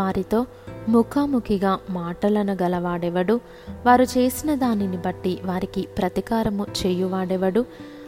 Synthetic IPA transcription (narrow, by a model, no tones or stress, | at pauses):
aːɾit̪o̞ː | mukʰaːmukʰiɡaːmaːʈɐlɐnɐɡɐlɐʋaːɽɛʋɐɽu | ʋaːɾut͡ʃe̞ːsinɐd̪aːninibɐʈːiʋaːɾikipɾɐt̪ikaːɾɐmut͡ʃɛːjuʋaːɽɛʋɐɽu